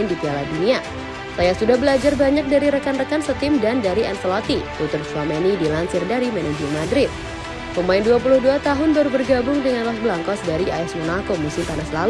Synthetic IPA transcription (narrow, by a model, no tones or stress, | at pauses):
ɪndit̪ialadunia | sajasudahbəlad͡ʒarbaɲak̚daɾiɾəkanrəkansət̪ɪmdandaɾiɛnsəlɔt̪iput̪ʊrt̪slɔmenidilansɪrdaɾimɛnad͡ʒlmadɾɪt̪̚ | pəmaɪnduapulʊhduat̪aɦʊnd̪ɔrbərɡabʊŋdəŋanlahbəlaŋkɔsdaɾiʔaɛsmənakomusɪmt̪anaslal